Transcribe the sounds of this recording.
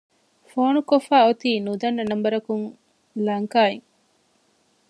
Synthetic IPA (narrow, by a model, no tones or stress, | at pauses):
foːnukofaːot̪iːnud̪ɐnːɐnɐmbɐɾɐkuŋ | lɐŋkaːeŋ